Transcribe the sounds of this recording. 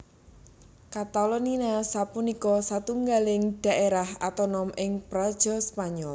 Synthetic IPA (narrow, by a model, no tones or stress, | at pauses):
kat̪alɔninasapunikɔsat̪uŋɡalɪŋd̪̥a̤ʔeɾahat̪ɔnɔmɪŋpɾɔd̥ʒ̥ɔ̤spaɲɔl